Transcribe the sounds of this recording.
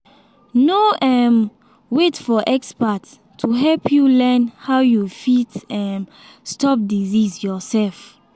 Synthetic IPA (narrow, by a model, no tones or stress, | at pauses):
noɛm | wetfɔʔɛkspat | tʰːuɦɛlpʰjulɛ̃nhaʊjufitɛm | stɔp̚dizizjɔsɛlf